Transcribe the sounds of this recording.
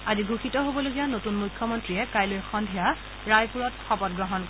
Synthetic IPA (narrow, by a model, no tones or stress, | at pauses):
aziɡuxitɔɦobɔloɡijanotunmujkʰːɔmɔntɹiɛkajlojxɔndʱija | ɹajpuɹɔtxɔpɔt̚ɡɹɔɦɔnk